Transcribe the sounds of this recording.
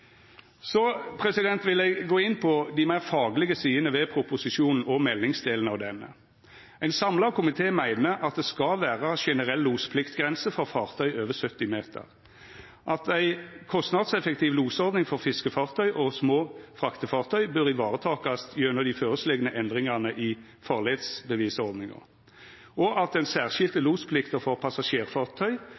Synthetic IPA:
sɔpʰʁɛsɪd̪ɛnt̪ʋɪlɛɡɡoːɪnpʰɔd̪ɪmæɪʁfɑːɡlɪɡəsiːənəʋɛpʰɾʊpʊsɪʃuːnn̩ɔmɛlːɪŋsd̪eːln̩ɑʋd̪ɛnːə̰ | æɪnsɑmlɑkʰʊmɪt̪ʰeːmæɪnəɑt̪̚d̪ɛskɑlʋæːʁɑʃɛnəʁɛlːuːspʰlɪkt̪ɡʁɛnsəfɔʁfɑːʁt̪ʰœʏøːʋəsœt̪ːɪmeːt̪ʰə̰ʁ | ʔɑt̪æɪkʰɔst̪nɑd̪sɛfək̚t̪iːʋluːsɔʁd̪nɪŋfɔʁfɪskəfɑːʁt̪ʰœʏʔɔsmoːfʁɑkt̪əfɑːʁt̪ʰœʏbœɾɪʋɑːʁət̪ʰɑːkɑsjøːnəd̪ɪføːʁəslɛɡənəʔɛnd̪ʁɪŋɑnəʔɪ | fɑːʁleːd̪sbəʋiːsɔʁd̪nɪŋə̰ | ɔʔɑt̪̚d̪ɛnsæːʁʃɪlt̪əluːspʰlɪkt̪əʁfɔʁpʰɑsɑʃeːʁfɑːʁt̪ʰœʏ

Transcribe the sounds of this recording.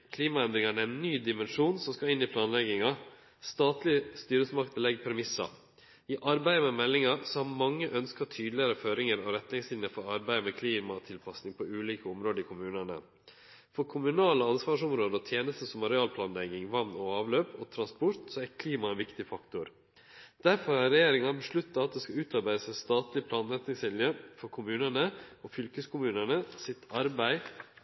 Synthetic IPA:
kʰliːmɑɛnd̪ɾɪŋɑɳəɛnːyːd̪ɪmɛnʂuːnsɔmskɑɪnːɪpʰlɑːnlɛɡɪŋɑ | st̪ɑːt̪lɪəst̪yːɾəsəmɑkt̪əlɛɡːpʰɛɾmɪsɑ̰ | ɪʔɑɾbæɪəmɛmɛlːɪŋɑsɔhɑɾmɑŋːəʔœnskɑt̪ʰyːd̪lɪɑɾəføːɾɪŋəɾɔɾɛt̪ːnɪŋslɪnnəfɔɾɑɾbæɪəmɛkʰliːmɑt̪ʰɪlpʰɑsnɪŋpʰɔʉːliːkəʊmɾoːd̪əɪkʰʊmʉːnɑnə̰ | fɔɾkʰʊmʉnɑːləɑnsʋɑːʂɔmɾoːd̪əɔt̪ʰjeːnəst̪əsɔmɑɾɛɑːlpʰlɑːnlɛɡɪŋʋɑnnɔɑːʋløːpɔt̪ʰɾɑnspʊɾt̪sɔækʰliːmɑɛnʋɪkt̪ɪfɑkt̪ʊɾ | d̪̥æɾfɔɾɑɾɛjeːɾɪŋɑnbəʂlʉt̪ːɑɑt̪̚d̪eːskɑʉːt̪ɑɾbæɪəsɛnst̪ɑːt̪lɪpʰlɑːnɾɛt̪nɪŋsʋɪljəfɔɾkʰʊmʉːnəɳəʔɔfʏlkəskʰʊmʉːnəɳəsɪt̪ʰɑɾbæɪ

